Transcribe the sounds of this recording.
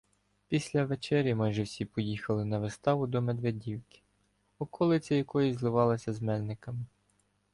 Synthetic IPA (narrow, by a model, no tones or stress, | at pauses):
pʲisʲlʲɐʋet͡ʃɛɾʲjɐmɑjʒɛwsʲipɔjixɐlˠɪnɐʋɪst̪ɑʋʊd̪ɔme̞d̪ʋedʲiwkɪ̥ | ɔkʰɔlˠɪt͡sʲɐjɐkɔjizlˠɪʋɑlˠɐsʲɐzmɛlʲnɪkɐmɪ